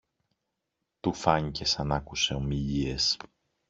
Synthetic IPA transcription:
t̪ufɐɲice̞sɐnɐkuse̞o̞miʎie̞s

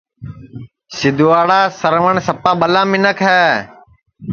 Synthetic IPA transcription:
sɪd̪uaːɽaːsəɾʋəɳsəpaːɓəlãːmɪnəkʰɛː

